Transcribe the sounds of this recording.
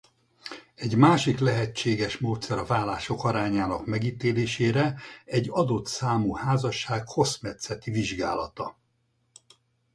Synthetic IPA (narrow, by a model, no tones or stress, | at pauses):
ɛɟmaːʃiklɛɦɛt͡ʃːeːɡɛʃmoːt̪sɛɾɒvaːlaːʃo̞kɒɾaːɲaːnɒkmɛɡiːt̪eːleːʃeːɾɛɛɟːɒd̪o̞t̪saːmuhaːzɒʃaːkho̞smɛt̪sɛt̪iviʒɡa̰ːlɒt̪ɒ